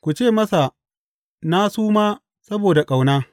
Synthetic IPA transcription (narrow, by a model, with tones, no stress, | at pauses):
kʷu˨t͡ʃeː˦˨mɐ˦sa˨ | na˦suː˦maː˦ | sɐ˦boː˨da˨kʼa˨wnaː˦